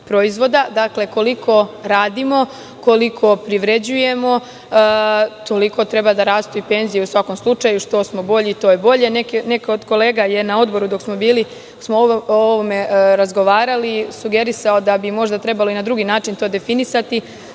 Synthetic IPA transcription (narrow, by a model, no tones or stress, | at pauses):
pɾo̞izʋo̞d̪ad̪akle̞ko̞liko̞ɾaːd̪imo̞ | ko̞likʰo̞pɾiʋɾe̞d͡ʑuje̞mo̞ | t̪o̞liko̞t̪ɾe̞bad̪aɾaːst̪uipe̞ːnzijeusʋako̞mslˠut͡ʃajuʃt̪o̞smo̞bo̞ʎit̪ojebo̞ʎe̞nekene̞kod̪ko̞le̞ːɡaje̞nao̞d̪bo̞ɾud̪o̞ksmo̞biːli | smooʋome̞ɾazɡo̞ʋaːɾalisuɡe̞ɾisaod̪abimo̞ʒd̪at̪ɾe̞baloinad̪ɾuɡinaːt͡ʃint̪od̪e̞finisat̪i